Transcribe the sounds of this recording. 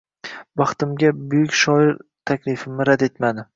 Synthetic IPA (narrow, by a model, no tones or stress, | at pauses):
bɑχt̪ɪmɡʲabʊjʊkʲʃɒɪɾt̪ʰakʲlɪfɪmnɪɾad̪e̞t̪mad̪ɪ